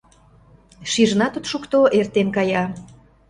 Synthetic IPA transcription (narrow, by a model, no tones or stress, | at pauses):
ʃiʒnɑt̪ut̪ʃukt̪oʔert̪enkɑjɑ